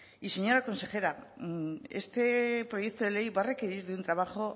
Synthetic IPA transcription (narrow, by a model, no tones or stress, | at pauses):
ise̞ɲo̞ɾako̞nse̞xe̞ɾa | e̞st̪e̞pɾo̞je̞k̚t̪oðe̞lejβare̞ke̞ɾiɾðunt̪ɾaβ̞axo̞